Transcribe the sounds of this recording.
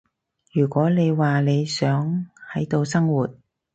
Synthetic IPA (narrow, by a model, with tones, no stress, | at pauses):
jyː˨˩kʷɔː˨˥ne˨˧jwaː˨ne˨˧jsœː˨˥ŋhɐ˨˥jt̪o˧wsɐ˥ŋwuː˨˩t̚